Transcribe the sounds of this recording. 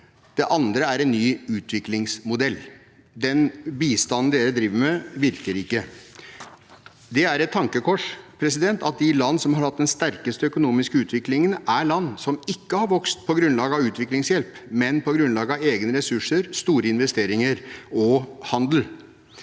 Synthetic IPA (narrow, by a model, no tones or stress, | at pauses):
d̪̥ɛʔɑnd̪ɾəæɾɛnːyːʉːt̪ʰʋɪklɪŋsmʊd̪ɛlː | d̪ɛnbiːst̪ɑnn̩d̪eːɾəd̪ɾiːʋəmɛʋɪɾkəɾɪkːə | d̪ɛæɾɛt̪ʰːɑŋkəkʰɔʂpʰɾɛsɪd̪ɛnt̪ɑt̪̚d̪ɪlɑnːsɔmhɑɾhɑt̪̚d̪ɛnst̪æɾkəst̪əœkʊnuːmɪskəʉːt̪ʰʋɪklɪŋənæɭɑnːsɔmɪkːəhɑɾʋɔkst̪̚pʰɔɡɾʉnlɑːɡəɑʋʉːt̪ʰʋɪklɪŋsjɛlpmɛnpʰɔɡɾʉnlɑːɡəɑʋeːɡnəɾɛsʉʂəɾst̪uːɾəɪnʋɛst̪eːɾɪŋəɾɔhɑnd̪l̩